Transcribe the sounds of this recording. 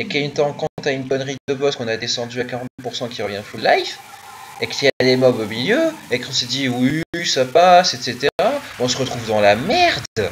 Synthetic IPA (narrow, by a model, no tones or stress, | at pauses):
ekaynt̪ə̃kɔ̃t̪aynbɔnʁid̪əbɔskɔ̃nad̪esɑ̃d̪yakaʁɑ̃t̪d̪əpuʁsɑ̃kʲiʁəvjɛ̃fullajfekə̥t̪ialemɔbomiljøekɔ̃sɛd̪iwisapasɛt̪set̪eʁaɔ̃səʁət̪χuvd̪ɑ̃lamɛʁd̪